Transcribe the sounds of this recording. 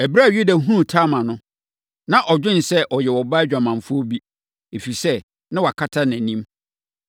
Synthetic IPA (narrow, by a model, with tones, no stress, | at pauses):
æ˨bɾa˦˨ju˦da˨ɦũ˦˨tʰaː˦mã˨nʊ̃˦ | nã˨ʔɔ˨d͡ʑᶣɪ̃˦n̩˨sɛ˦ʔɔ˨jɛ˨wɔ˨ba˦d͡ʑᶣa˨mã˨ɱ˨fʊ˦o˦bi˦ | e˨fi˨sɛ˦ | nɪ̃˦wɔ˨a˨kʰa˦tʰa˦næ̃˨nĩ˦m